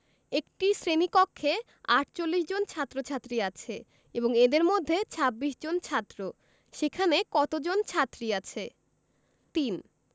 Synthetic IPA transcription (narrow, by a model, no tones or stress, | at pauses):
ek̚ʈisɾenikɔkʰːe | aʈt͡ɕolːiʃd͡ʑont͡ɕʰat̪ːɾot͡ɕʰat̪ːɾiat͡ɕʰe | eboŋed̪eɾmod̪ʱːet͡ɕʰabːiʃd͡ʑont͡ɕʰat̪ːɾo | ʃekʰanekɔt̪od͡ʑont͡ɕʰat̪ːɾiat͡ɕʰe | t̪in